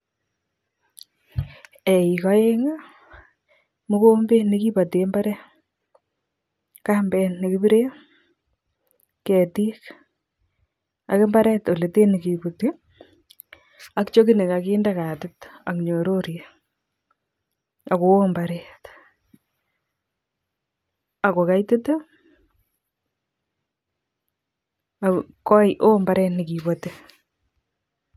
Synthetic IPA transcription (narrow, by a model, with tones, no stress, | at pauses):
ɛ˨i˨kɔ˦e˦ŋa˦ | mo˦ko˦mbe˦ne˦ki˦pa˨temba˦ɾɛ˦ | ka˦mbɛnne˨kibi˦ɾe˦ | kɛ˨ti˦k | a̰˨ke˦mba˦ɾɛ˦to˨le˨te˦ne˨ki˨buti˦ | akt͡ʃo˦kɪ˦nɪ˨kakiːndaka˨tɪta˨kɲo˨ɾoɾje | a˨ko˨o˦mbaɾɛːt | a˨ko˨kajtɪ˦to | akɔ˦jʔo˦mba˦ɾɛtnɪki˨bɔte